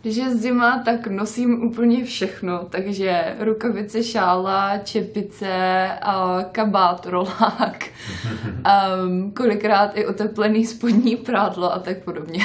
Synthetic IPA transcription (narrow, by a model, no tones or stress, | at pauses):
ɡdɪʃ̬jɛzzɪmat̪aknosiːmʔuːp̬l̩ɲɛfʃɛxnot̪aɡʒɛɾukavɪt͡sɛʃaːlat͡ʃɛpɪt͡sɛ | kabaːt̪ɾolaːk | ko̞lɪkɾaːt̪ɪʔo̞t̪ɛplɛniːspod̪ɲiːpɾaːdloʔat̪ak̚po̞dobɲɛ